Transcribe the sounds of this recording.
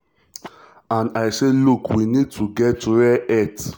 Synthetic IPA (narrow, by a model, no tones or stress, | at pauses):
ãnaɪselukʰwinid̚tʰuɡɛtːuwɛɛt